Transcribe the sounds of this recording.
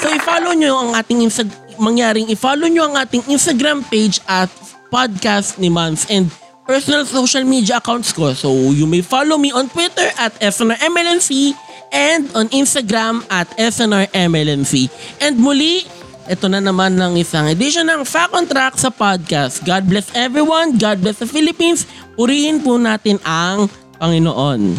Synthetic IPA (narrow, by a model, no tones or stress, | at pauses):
soʔɪfalowɲoʔɐŋʔaːt̪ɪŋʔinst̪ɐmɐŋjaːɾɪŋɪfalowɲoɐŋʔaːt̪ɪŋʔinst̪ɐɡɾampejd͡ʒʔɐt̪̚ | pad̪̚kast̪̚nɪmɐnsʔɛnd̪̚ | pɛɹsɔnɐlsoʃɐlmid̪jɐʔɐkawnt̪sko̞sowjʊmejfalowmiʔõnt̪wit̪ɛɹʔɐt̪ɛsɛnɐɹʔɛmɛlɛnsi | ʔɛnd̪onʔinst̪ɐɡɾamɐt̪ɛsonɐɹʔɛmɛlɛnsiʔɛnd̪̚mʊli | ʔɛt̪onɐnɐmanːɐŋʔɪsɐŋɐd̪iʃonɐŋfakont̪ɾak̚t̪sɐpad̪̚kast̪̚ɡad̪̚blɛsɛvɹiwɐnɡad̪̚blɛsd̪ɐfilɪpinspʊɾiːhɪnpʊnaːt̪ɪnɐŋ | pɐŋɪno̰ʔon